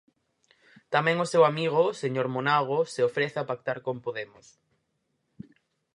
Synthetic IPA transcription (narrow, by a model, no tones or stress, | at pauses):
t̪amɛ̃ŋosewamiɣ̞ʊseɲoɾmonaɣ̞oseofɾeθapak̚t̪aɾkompoðemʊs